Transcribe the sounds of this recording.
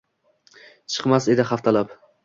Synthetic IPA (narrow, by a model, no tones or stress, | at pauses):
t͡ʃʰɨ̥qmase̞d̪ɪχaft̪ʰalap